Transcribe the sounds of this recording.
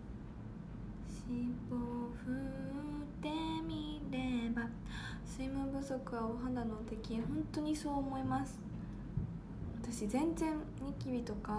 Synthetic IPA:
ɕiboɸɯ̟ | t̪e̞mʲiɾe̞ba | sɨimɯbɯ̟so̞kɯ̟aoɦãnd̪anot̪e̞kʲiɦõ̞nt̪o̞ɲ̟iso̞ːmo̞imasɨ̥ | βat̪aɕizẽ̞nzẽ̞n | ɲikʲibʲit̪o̞ka

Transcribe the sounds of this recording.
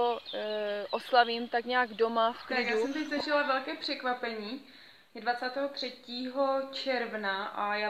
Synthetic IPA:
o | ʔoslaviːmt̪akɲaːɡdo̞mafkɾaɪɡjaːuɛmt̪ɛczlɛʒɛlavɛlkɛːpr̥ɛkvapɛɲiː | dvat͡saːt̪ɛːɦot̪r̝̥ɛciːɦot͡ʃɛɾvnaʔajaː

